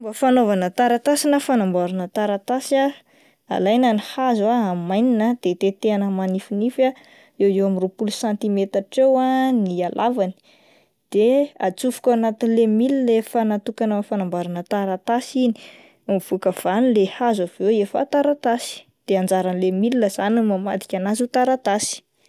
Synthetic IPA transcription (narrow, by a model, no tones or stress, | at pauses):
mbəfanovanət̪aɾat̪asinəfanambaɾanət̪aɾat̪asa | a̰lajnanihazaamajninəd̪̥et̪et̪eanəmanifinifa | ewewamiropulusãnt̪imet̪aʈ͡ʂewanialʔavani̥ | d̪̥ea̰t͡sufu̥kʲawanat̪inilemililefanat̪ukanafanambaɾanət̪aɾat̪asini̥ | mv̥ukəv̥anilehazavewefa̰t̪aɾat̪asi̥ | d̪̥eand͡ʒaɾanilemilinəzanumama̰t̪i̥kʲanazut̪aɾat̪asi̥